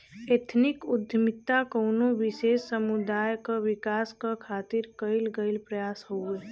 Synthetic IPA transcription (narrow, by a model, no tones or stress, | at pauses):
et̪ʰnɪkʊd̪ʱjəmɪt̪ːakoːnoʋɪʃeːsːəmud̪aːjkaʋɪkaːskakʰaːt̪ɪɾkəɪlɡəɪlpɾəjaːshoe